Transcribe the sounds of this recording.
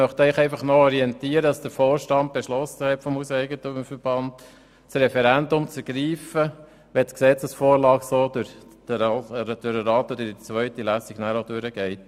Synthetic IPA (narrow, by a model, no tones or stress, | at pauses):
mœχt̪ɛɪχɛɪfɑχnɔɔɾiɛntiːəɾədɑsd̥əɾfoːɾʃtɑnt̚b̥ɛʃlɔsəhɛtfɔmusɛɪɡət̪umfəɾb̥ɑnd | sɾɛfɛɾændʊmt͡səɡ̥ɾiːfə | ʋɛsksɛt͡səsfoːɾlɑːksoːd̪ʊɾd̥əd̥ɾəɾɑːt̪ɔd̪ədit͡sʋœʏtilæsiɡ̥næːɾodʉɾəɡ̥ɛɪt̚